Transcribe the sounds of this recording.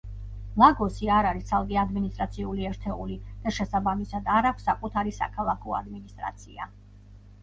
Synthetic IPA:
maɡɔsiaɾaɾist̪sʰalˠkʼiad̪minist̪ʼɾat̪sʰiuliɛɾt̪ʰɛulid̪̥aʃɛsabamisad̪aɾakʷʰsːakʼut̪ʰaɾisa̰kʰalˠakʰɔa̰d̪minist̪ʼɾa̰t̪sʰḭa̰

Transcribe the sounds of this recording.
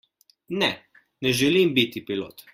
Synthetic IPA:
nɛ | nɛʒɛlimbit̪ipilo̰ːt̪

